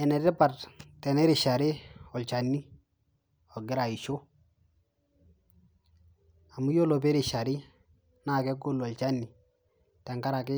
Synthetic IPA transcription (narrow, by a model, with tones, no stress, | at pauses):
ɛ˨nɛ˨tɛ˦pa˨ttɛ˨nɛ˦ɾɪ˨ʃa˨ɾɪ˦ɔ˨lt͡ʃa˨nːi˦ | ɔ˨ɡɪ˦ɾa˨ɪ˨ʃɔ˦ | a˨mu˦jo˦lɔ˨p̬ɛ˦ɾɪ˨ʃa˨ɾɪ˦ | na˦˨kɛ˦ɡʊ˦lɔ˨lt͡ʃa˦nːi˨ | tɛ˨ŋka˦ɾa˨kɪ˦